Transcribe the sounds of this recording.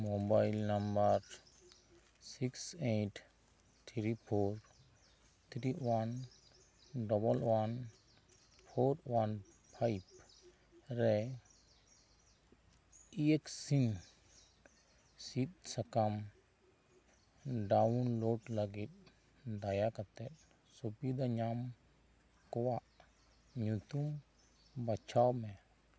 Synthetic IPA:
mobajlnambaɾ | sikseʈʰ | t̪ʰɾipʰoɾ | t̪ʰɾiwan | ɖɔbɔlwan | pʰoɾwan | pʰajb | ɾɛ | ieksin | sit̪̚sakam | ɖawunloʈlaɡit̪̚ | d̪ajakat̪ɛt̪̚ˀ | subid̪aɲam | kɔwaʔ | ɲut̪um | bat͡ʃʰawmɛ

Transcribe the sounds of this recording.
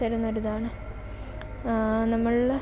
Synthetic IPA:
ɐɾunːɐoɾuðaːɳɨ | nɐmːɐɭ

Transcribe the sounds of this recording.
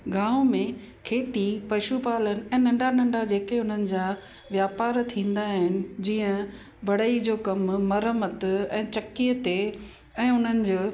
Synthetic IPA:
ɡãːʋmẽ | kʰeːt̪ipɐʃupaːlənɪ̆ɛ̃ːnɐ̃ɳɖanɐ̃ɳɖad͡ʑeːkeʊn̤ənɪ̆d͡ʑaː | ʋjaːpaːɾt̪ʰĩːn̆d̪aɦɪnɪ̆d͡ʑiːə̃ | bɐɽəid͡ʑoːkɐmːɐɾəmət̪ɛ̃ːt͡ɕɐkiət̪e | ɛ̃ːʊn̤ənɪ̆d͡ʑoː

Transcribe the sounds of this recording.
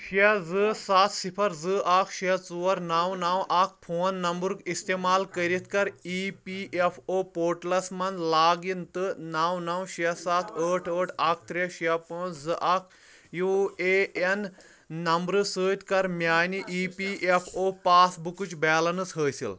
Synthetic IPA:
ʃɐd͡zɨsat̪ʰsipʰɐɾd͡zɨʔakʰʃit͡suɐɾnawnawʔak̚ʰpʰoːnːɐmbuɾkist̪emaːlkɐɾit̪kɐɾipiʔefʰopoːɾʈlɐsmɐnd̪laːɡint̪ɨnawnɐwʃɐsat̪ʰəʈʰəːʈʰak̚ʰt̪ɾeʃɐpɐ̃ːt͡sʰd͡zɨʔakʰ | jueenː | ɐmbɾɨsəːt̪kɐɾmʲaːniʔiːpiʔepʰoːpaːsbukut͡ʃbɛːlɐnɨsɦəːsḭl

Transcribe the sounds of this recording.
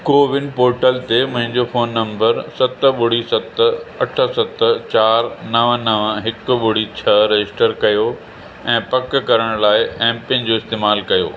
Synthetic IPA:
koːʋɪnpoːɾʈəlt̪emʊ̃ɦɪ̃ɲd͡ʑofoːnːɐ̃mbəɾsɐt̪̆ɓʊɽ̤isɐt̪ɐʈʰə̆sɐt̪t͡ɕaːɾnɐʋnɐʋɦɪkʊ̆ɓʊɽ̤it͡ɕʰɐɾɐɪsʈəɾkɐjo | ɛ̃ːpɐkkɐɾəɽ̃laːɪʔɛ̃ːmpɪ̃nd͡ʑoːɪst̪eːmaːlkɐjo̰ː

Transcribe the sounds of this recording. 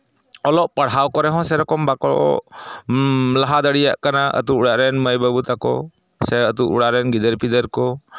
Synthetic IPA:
ɔlɔʔpaɽɦawkɔɾɛɦɔ̃sɛɾɔkɔmbakɔɽʔɔ̰ | laɦad̪əɽijaʔkanaʔə̰t̪uʔuɽaʔɾɛnməjbəbut̪akɔ̰ | sɛət̪uʔuɽaɾɛnɡid̪əɾpid̪əɾkɔ

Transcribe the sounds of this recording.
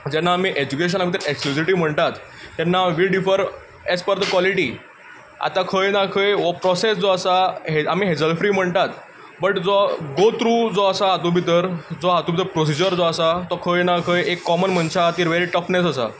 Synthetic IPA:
d͡ʑɛnːaːmiːʔed͡ʑukeɕ̬ənaɡʱbit̪əɾeksklusiʈim̤əɳt̪at̪ː | ɛnːaʋiɖifəɾ | esfɔɾd̪əkwɔliʈi | a̰t̪akʰəjnakʰəjʋɔpɾɔsesd͡zɔəsaɦeamiːɦed͡zəlfɾiːm̤əɳt̪at̪ | bəʈd͡zɔɡot̪ɾuːd͡zɔəsaɦat̪ubʱit̪əɾd͡zɔɦat̪ubit̪əɾpɾos̬id͡ʑəɾd͡zɔəsat̪ɔkʰəjnakʰəjekːɔmənməɳɕaat̪iːɾʋeɾiʈəfnesəsa̰

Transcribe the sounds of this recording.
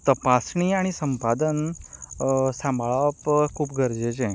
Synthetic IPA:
t̪əpasɳiaɽ̃isəmpad̪ən | sãmbʱɭapkʰuːpɡʱəɾd͡ʑed͡ʑẽ

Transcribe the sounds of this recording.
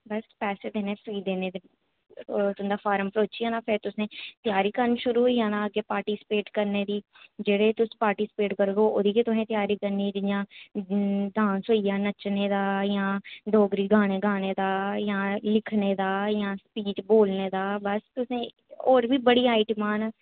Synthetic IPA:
bəspɛːseːd̪eːneːpʰiːd̪eːneːd̪eː | ʊnd̪aːpʰaːɾəmpɾoːt͡ʃiːãːnaːpʰɪɾt̪ʊsẽːt̪ɪjaːɾiːkənʃʊɾuːɦʊiːãːnãːəɡeːpaːɾʈiːsɪ̥peːʈkəɾneːd̪iː | d͡ʒeːɽeːt̪ʊsẽːpaːɾʈiːsɪ̥peːʈkəɾɡoːoːd̪iːket̪ʊsẽːt̪jaːɾiːkəɾniːd͡ʒ̪ɪjãː | d̪ãːnsɦoːijaːnət͡ʃneːd̪aːjãːd̪ʱoːɡɾiːɡaːɽ̃eːɡaːɽ̃eːd̪aːjãːlɪkʰneːd̪aːjãːspiːt͡ʃboːlneːd̪aːbəst̪ʊsẽː | oːɾbiːbəɽiːaːiʈmaːn

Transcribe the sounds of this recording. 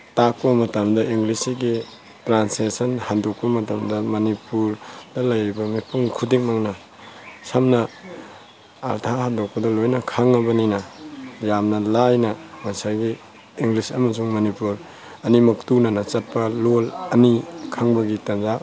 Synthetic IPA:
tak̚pɐmɐtɐmdɐʔiŋɡlisiɡi | tɾansesɐnhandok̚pɐmɐtɐmdɐmɐnipuɾd̥ɐlɐjbɐmipuŋkʰudik̚maŋnɐ | samnɐ | a̰ɾtʰahandok̚pɐdɐlojnɐkʰaŋːɐbɐninɐjamnɐlajnɐmɐsajɡiː | ŋɡlisɐmɐsuŋmɐnipuɾ | ɐnimɐktunɐnɐt͡ʃɐt̚pɐlolɐnikʰaŋbɐɡitɐnza

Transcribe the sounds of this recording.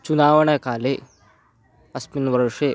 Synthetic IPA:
t͡ʃunaːʋɐɳɐkaːle | ɐsminʋɐɾʂe

